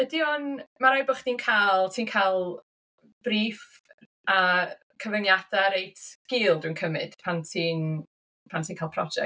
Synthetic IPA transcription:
ədiɔnmaɾajbʊχd̥iːnkʰaːlˠtʰiːnkʰalˠ | b̥riːf | a | kʰəvənjadaɾejtʰɡ̥iːlˠdwɨnkʰəmɨd̥pʰantʰiːn | pʰantʰiːnkʰaːlˠpʰrɔ̰d͡ʒɛ̰

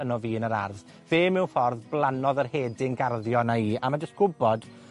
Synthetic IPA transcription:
ənɔviːənəɾa̰rð | v̥eːmɪwfɔrðblˠanɔðərheːdɪnɡarðjɔnaiːʔamad͡ʒəstɡ̥ʊbɔd̥

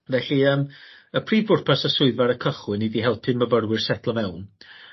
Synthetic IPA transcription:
vɛɬiəːm | əpʰriːvʊrpʰasasʊɨðvaɾəkʰəχwɨnidiɦɛlˠtʰɪməvərwɪrsɛtʰlˠɔmɛwn

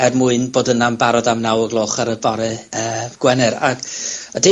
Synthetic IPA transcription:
ɛrmʊɨnboːdənambaɾɔdamnawəɡlˠoːχaɾəbɔɾɛəːɡ̥wɛnɨɾa̰ɡad̥e

